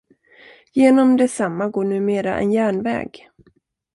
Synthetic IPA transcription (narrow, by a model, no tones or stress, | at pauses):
jeːnɔmd̪ɛsamːaɡoːɳʉ̟ːmeːɾa̰ʔɛ̰njæːɳvɛ̰ːɡ